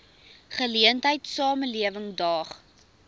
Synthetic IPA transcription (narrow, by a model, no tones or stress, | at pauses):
χəliəntɦəjtsɑːməliəvəŋdɑːχ